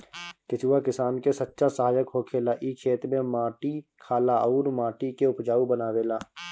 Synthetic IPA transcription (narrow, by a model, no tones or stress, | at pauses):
kɪt͡ʃuwakɪsaːnkesətːʃasəɦaːjəkɦokʰeːlaʔikʰeːt̪ɾmẽmaːʈikʰaːlaʔəʊːɾmaːʈikeʊpd͡ʒaːubənaːʋeːlaː